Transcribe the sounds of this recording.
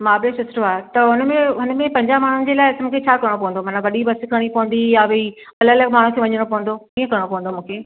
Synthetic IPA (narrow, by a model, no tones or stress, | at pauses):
maːblesʊsɾoaːɦet̪ɐɦʊnmẽɦʊnmẽpɐ̃ɲd͡ʑamaːɳ̤ʊnɪ̆d͡ʑeːlaːɪɪsmʊ̃kʰet͡ɕʰaːkɐɾɽ̃opɐʋə̃nd̪omɐːnaʋɐɗibɐskʰɐɽ̃ipɐʋə̃n̆d̪ijaʋei | ɐləlɐɡmaːɳ̤ũkʰeːʋɐɲəɽ̃opɐʋə̃n̆d̪oiːə̃kɐɾɽ̃opɐʋə̃nd̪omũːkʰeː